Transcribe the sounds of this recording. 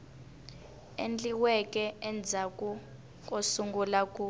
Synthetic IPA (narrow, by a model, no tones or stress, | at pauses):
ḛnd͡ɮiwɛk̬ʼɛɛnd͡zʱakʼu | k̬ʼosuŋɡulakʼu